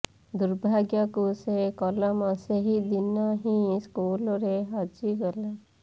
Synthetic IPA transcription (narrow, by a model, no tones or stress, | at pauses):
d̪uɾbʱaɡjɔkusekɔlɔmɔseɦid̪inɔɦĩskulɔɾeɦɔd͡ʒiɡɔla